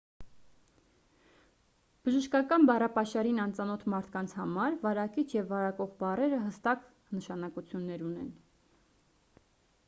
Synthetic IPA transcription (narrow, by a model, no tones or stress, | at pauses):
b̥əʒəʃkɑkɑnbɑrɑpɑʃɑɾinɑnt͡sɑnɔt̪ʰmɑɾt̪ʰkɑnt͡sʰhɑmɑɾvɑɾɑkit͡ʃʰjɛvːɑɾɑkɔʁbɑrɛɾəɦəst̪ɑk | nəʃɑnɑkut͡sʰjunːɛɾunɛ̰n